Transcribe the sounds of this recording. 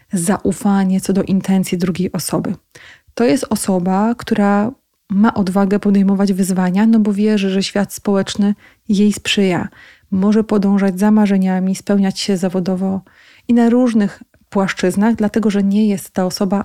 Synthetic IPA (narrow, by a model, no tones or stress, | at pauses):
zaʔufaɲɛt̪sɔd̪ɔʔint̪ʰɛnt̪sʲid̪ɾuɡʲejʔɔsɔbɘ | t̪ɔjɛst̪ɔsɔbakt̪uɾa | maʔɔd̪vaɡɛpɔd̪ɛjmɔvad͡ʑvɘzvaɲanɔbɔvʲjɛʐɘʐɛɕfʲjat̪spɔwɛt͡ʂnɘ | jejspʂɘja̰ | mɔʐɛpɔd̪ɔ̃w̃ʐad͡ʑzamaʐɛɲamʲispɛwɲat͡ɕɕɛzavɔd̪ɔvɔ | inaɾuʐnɘx | pwaʂt͡ʂɘznaɣd̪lat̪ɛɡɔʐɛɲɛjɛst̪ːaɔsɔba